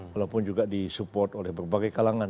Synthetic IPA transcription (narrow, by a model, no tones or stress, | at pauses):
alawpʊnd͡ʒuɡadisupɔrt̪olɛhbərbaɡajkalaŋa